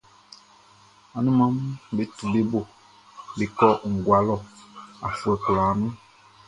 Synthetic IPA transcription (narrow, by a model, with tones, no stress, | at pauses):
a˨nũ˦mã˦m˦be˦tu˨be˦bo˦˨ | be˨kɔ˦ŋ̩˨ɡwa˨lɔ˦a̰˨fu˨ɛ˨klaː˨˦mũ˦